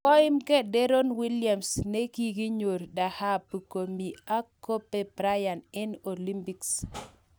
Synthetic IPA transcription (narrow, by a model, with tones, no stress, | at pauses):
kɔ˦ɪ˦mkɛ˦dɛ˦ɾo˦nwi˦lja˨msne˦ki˨ɡi˦ɲo˨ɾda˨ha˦pu˨ko˨mi˨a˦kːo˦pːe˨bɾa˦ja˨nɛ˦no˨li˦mpi˨ks